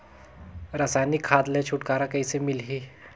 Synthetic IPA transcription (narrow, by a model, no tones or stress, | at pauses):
ɾɐsaːjnikʰːaːd̪let͡ʃʰʊʈkaːɾakɐisemɪlɦiː